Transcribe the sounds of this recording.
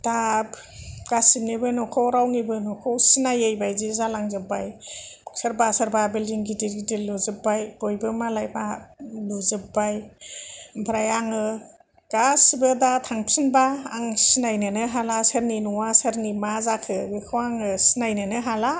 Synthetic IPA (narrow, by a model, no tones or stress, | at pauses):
d̥ab | ɡ̥asinibɯnɔkʰɔwɾawŋibɯnɔkʰɔwsinajejbajzizalaŋzɯbajsəɾbasaɾbabildiŋɡidiɾɡidiluzɯbajb̥ɔjbɯmalajbaluzɯbaj | mpʰɾajaŋɯ | ɡ̥asibɯdatʰaŋpʰsinbaːŋsinajnɯnɯɦalasəɾninuwasəɾnimazakʰɯbekʰɯwaŋɯsinajnɯnɯɦala